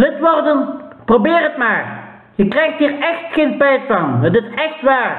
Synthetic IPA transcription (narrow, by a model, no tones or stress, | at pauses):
lɪtʋɔrdənprobɪːrətmaːr | jəkrɛjxtɦiːrɛxtxeːnpɛjsfɑŋɦətɪsɛxtʋaːr